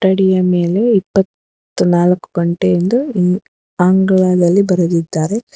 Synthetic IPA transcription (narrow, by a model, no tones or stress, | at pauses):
ʈɐɽijɐme̞ːle̞ipːɐt̪ː | unaːlɐkːu̥ɡɐɳʈeind̪uin | aːŋɡɐɭaːd̪ɐlːibɐɾud̪id̪ːaːɾe